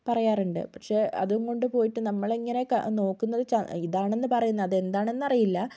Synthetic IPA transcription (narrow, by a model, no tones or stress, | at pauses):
pɐrɐjaːruɳɖɨ̰pɐkʂe̞ɐ̰ðuŋko̞ɳɖɨpo̞ːjiʈːɨnɐmːɐɭeŋːɐne̞kɐ̰no̞ːkːunːɐðɨt͡ɕɐiðaːɳe̞nːɨpɐrɐjunːɐðe̞nd̪aːɳe̞nːɐrɐjilːɐ